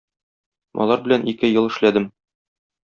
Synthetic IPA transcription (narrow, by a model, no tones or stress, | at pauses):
mɒ̰lˠɑɾbɘ̆lænikɘjɤlˠɘ̆ʃlæd̪ɘm